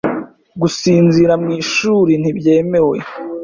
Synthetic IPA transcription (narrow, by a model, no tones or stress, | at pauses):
ɡusiːnziɾamŋiːʃuːɾin̥ibje̞ːme̞we̞̰